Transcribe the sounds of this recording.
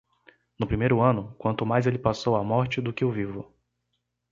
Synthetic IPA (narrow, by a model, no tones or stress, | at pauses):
nʊpɾimejɾʊɐ̃nʊkwɐ̃nt̪ʊmajzelɪpasowamɔɾt͡ʃɪd̪ʊkɪʊvivʊ